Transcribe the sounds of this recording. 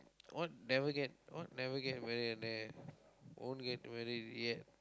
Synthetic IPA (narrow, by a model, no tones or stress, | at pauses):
wʔɔt̚nɛvəɡɛt̚wɔ̰t̚nɛvəɡɛt̚mɛɹidɛnɛ | wõ̰nɡɛt̚mɛɹid̚jɛt̚